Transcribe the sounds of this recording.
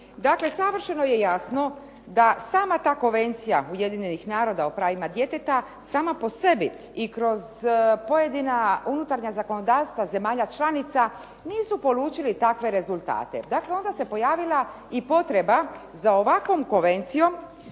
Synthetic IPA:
d̪akle̞saʋr̩ʃeno̞je̞jasno̞ | d̪asaːmat̪aːko̞nʋe̞nt̪sijauje̞d̪iɲenixnaːɾo̞d̪aopɾaːʋimad̪je̞t̪et̪a | saːmapo̞se̞bi | ikɾo̞zpo̞je̞d̪inaunut̪aɾɲazako̞no̞d̪aːʋst̪ʋaze̞maːʎat͡ʃlanit̪sa | niːsupo̞luːt͡ʃilit̪akʋe̞ɾe̞zulˠt̪a̰ːt̪e̞d̪akle̞o̞nd̪ase̞po̞jaːʋilˠa | ipo̞t̪ɾe̞ba | zao̞ʋakʋo̞mko̞nʋe̞nt̪sijo̞m

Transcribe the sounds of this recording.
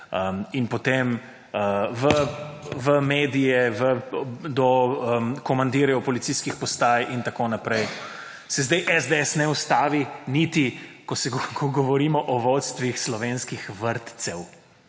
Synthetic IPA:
əinpɔt̪em | əʋəʋəmeːd̪ijɛʋəd̪ɔəmkɔmand̪iːɾɛɔpɔlit̪siskixpɔst̪aːjʔint̪akoːnapɾɛj | sɛzd̪ɛjʔɛzd̪eɛsnɛust̪aːʋinit̪ikɔsɛɡɔɡɔʋɔɾiːmɔʔɔʋɔt̪st̪ʋixslɔʋeːnskixʋəɾt̪sɛw

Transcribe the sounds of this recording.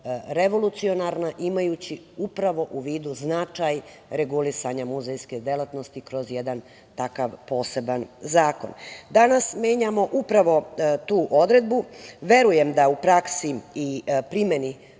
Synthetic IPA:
ɾe̞ʋo̞lut̪sio̞naɾnaʔimajut͡ɕi | upɾaʋo̞ʔuʋiːd̪uznat͡ʃaj | ɾeɡulisaɲamuzejsked̪e̞lˠat̪no̞st̪ikɾo̞zjed̪an | t̪akaʋpo̞ːse̞banzaːko̞̰nd̪anasme̞ːɲamo̞ʔupɾaʋo̞t̪uːʔo̞d̪ɾe̞d̪̚buʋe̞ɾuje̞md̪aupɾaksiipɾimeni

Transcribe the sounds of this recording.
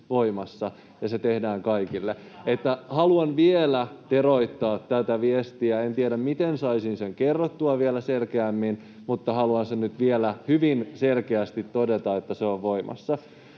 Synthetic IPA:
ʋoimɑsːɑ | jɑset̪ehdæːŋkɑikilːe | et̪ːæhɑluɑnʋielæt̪eroit̪ːɑːt̪tæt̪æʋiest̪iæent̪ieɾæmmit̪ensɑisinseŋkerːot̪ːuɑʋielæselkeæmːin | mut̪ːɑhɑluɑnsenyt̪ʋielæhyʋinselkeæst̪it̪ːodet̪ɑet̪ːæseoʋʋoimɑ̰sːɑ

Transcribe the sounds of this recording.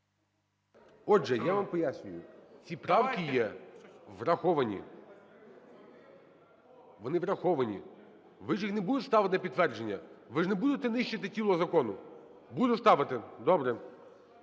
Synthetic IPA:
ɔʒɛjaʋampɔjasʲnʲʊjʊt͡sʲipɾɑwkʲijɛ | ʋrɐxɔʋɐnʲḭ | ʋɔnɪʋɾɐxɔʋɐnʲḭ | ʋɪʒixnebud̪ʊtʲst̪ɑʋɪt̪ɪpʲid̪̚t̪ːʋɛrd͡ʒenʲːɐ̰ʋɪʐnebud̪ʊt̪ɪnɪʃt͡ʃɪt̪ɪtʲilˠɔzɐkɔnʊ | bud̪ʊst̪ɑʋɪt̪ɪd̪ɔbɾɛ

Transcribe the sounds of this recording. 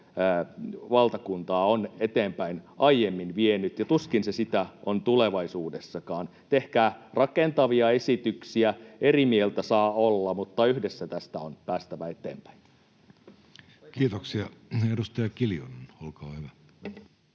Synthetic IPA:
ʋɑlt̪ɑkunt̪ɑːonet̪eːmpæinʔɑijemːinʋienyt̪jɑt̪uskinsesit̪æont̪uleʋɑisuːdesːɑkɑːn | t̪ehkæːrɑkent̪ɑʋiɑesit̪yksiæerimielt̪æsɑːolːɑmut̪ːɑyhdesːæt̪æst̪æonpæːst̪æʋæet̪ḛːmpæ̥in | kiːt̪oksiɑedust̪ɑjɑkiljonenolkɑːhyʋæ

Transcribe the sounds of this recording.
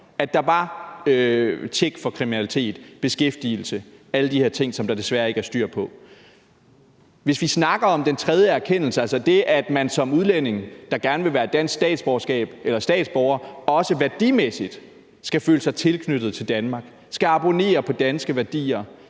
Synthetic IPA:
æd̥ɑ̈ʋɑ̈øt͡sʰeɡ̥fɒ̽kʰʁiminælit͡sʰe̝̰ːd̥b̥e̝sɡ̥efd̥il̩səæləd̥iheɐ̰t͡sʰe̝ŋ̰sɒ̽md̥ɑ̈d̥e̝sʋæɐe̝ɡ̥æɐsd̥yɐ̰pʰɒ̽ | ʋe̝sʋisnɑ̈ɡ̥ɐɒ̽md̥ent͡sʰʁɛð̞ˠjəæɐkʰen̰l̩səælsɐd̥e̝ʔæd̥mænsɒ̽muðˠlene̝ŋd̥ɑ̈ɡ̥æɐnəʋe̝ʋæːɐed̥æn̰sɡ̥sd̥ɛ̰ːd̥sb̥ɒɐsɡ̥ɛ̰ːb̥elɐsd̥ɛ̰ːd̥sb̥ɒʊɐɒ̽səʋæɐd̥imesid̥ | sɡ̥æfø̰ːləsɑ̈ɪt͡sʰe̝lkʰnød̥ð̞̩ˠt͡sʰe̝ld̥ænmɑ̈ɡ̥ | sɡ̥æɑ̈b̥o̝ne̝̰ːɐpʰɒ̽d̥ænsɡ̥əʋæɐd̥ḭːɐ

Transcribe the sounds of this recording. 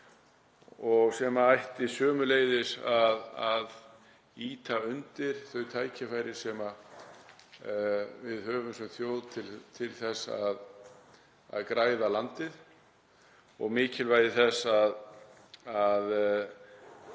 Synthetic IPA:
ɔɣsɛmaajht̪ɪsœːmʏleːjðɪsaðað | iːt̪aʏnt̪ɪɾ̥θœɥt̪ʰaːjcʰafaːjɾɪ̥sɛma | vɪðhœːvʏmsɛmθjoːwðt̪ʰɪlt̪ʰɪlθɛsa̰ð | a̰ðkɾaːjðalant̪ɪð | ɔ̰ɣmɪːcɪlvaːjðɪθɛsað | að

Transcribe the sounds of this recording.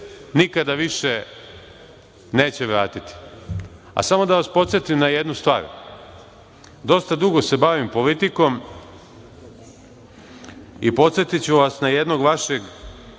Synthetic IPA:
nikad̪aʋiʃe | ne̞ːt͡ɕeʋɾaːt̪it̪i̥ | a̰samo̞d̪aʋaspo̞t̪sje̞t̪imnajed̪nust̪ʋa̰ːɾ | d̪o̞st̪ad̪uɡose̞baʋimpo̞lit̪iko̞m | ipo̞t̪sje̞t̪it͡ɕuʋasnaje̞d̪no̞ɡʋaʃe̞ɡ

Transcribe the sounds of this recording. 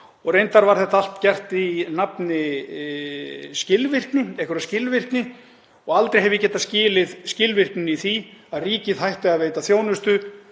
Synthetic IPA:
ɔɣrejnt̪aɾvaɾ̥θɛht̪al̥t̪cɛr̥t̪inapnɪ | scɪlvɪr̥knɪɛhkʏɾascɪlvɪr̥knɪ | ɔɣalt̪ɾejɦɛvjɪcɛːht̪ːascɪːlɪðscɪlvɪr̥knɪniθiaðriːcɪðɦajht̪ɪaðveːjt̪aθjoːwnʏst̪ʏ

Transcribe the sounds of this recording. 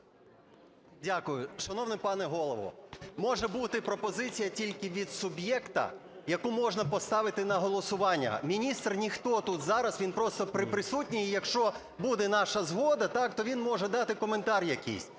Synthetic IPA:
dʲakʊjʊʃɐnɔwnɪpɑnɛɦɔlˠɔʋɔ̰mɔʒɛbut̪ɪpɾɔpɔzɪt͡sʲijɐtʲilʲkɪʋʲid̪sʊbjɛkt̪ɐ̰ | jɐkumɔʒnɐpɔst̪ɑʋɪt̪ɪnɐɦɔlˠɔsʊʋɑnʲːɐ̰mʲinʲist̪rnʲixt̪ɔt̪ut̪zɑɾɐsʋʲinpɾɔst̪ɔpɾɪpɾɪsutʲnʲijjɐkʃt͡ʃɔ | bud̪ɛnɑʃɐzɦɔd̪ɐt̪ɑkt̪ɔʋʲinmɔʒɛd̪ɑt̪ɪkɔment̪ɑɾʲjɐkʲḭsʲ

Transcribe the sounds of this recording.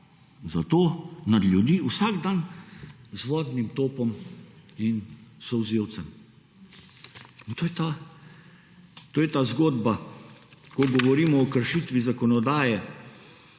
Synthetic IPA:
zat̪oːnad̪lʲjud̪iːusaɡd̪an | zʋɔːd̪nimt̪oːpɔminsɔwzewt̪sɛm | int̪oːjɛt̪a | t̪oːjɛt̪aːzɡoːd̪ba | kɔɡɔʋɔɾiːmɔːkəɾʃit̪ʋizakɔnɔd̪aːjɛ

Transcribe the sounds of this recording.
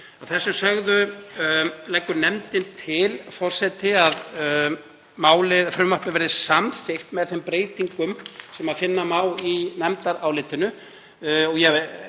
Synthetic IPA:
aθɛsːʏsœɣðʏ | lɛjkːʏɾnɛmt̪ɪnt̪ʰɪlfɔr̥sɛt̪ɪað | maːwlɪfɾʏmːaɾ̥pɪvɛɾðɪsamθɪht̪mɛðθɛmpɾeːjt̪iŋkʏmsɛmaðfɪnːamaːwlinɛmt̪aɾawlɪːt̪ɪnʏ | ɔɣjɛ

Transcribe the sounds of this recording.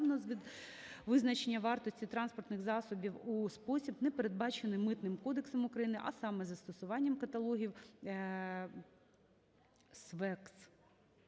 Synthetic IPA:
nɔzʲʋʲid̪ʋɪznɐt͡ʃenʲːɐʋɑrt̪ɔsʲtʲit̪ɾɑnspɔrt̪nɪxzɑsɔbʲiwuspɔsʲibnɛpeɾe̞d̪̚bɑt͡ʃenɪmːɪt̪nɪmkɔd̪eksɔmʊkɾɐjinɪʔɐ̰sɑmɛzɐst̪ɔsʊʋɑnʲːɐmkɐt̪ɐlˠɔɦʲiw | sʋɛks

